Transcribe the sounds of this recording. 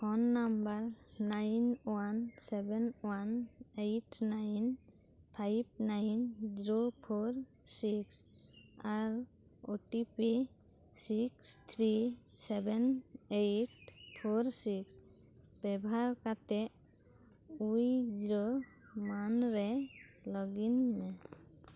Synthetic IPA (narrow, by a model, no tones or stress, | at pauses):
kʰɔnːambaɾ | najnwansɛbɛnwanejʈnajn | pʰajb̚najnd͡ʒiɾopʰoɾ | siks | aɾ | oʈipi | sikst̪ʰɾisɛbɛnejʈpʰoɾsiks | bɛbʱaɾkat̪ɛʔ | ujd͡ʒiɾo | manɾɛ | lɔɡinːɛ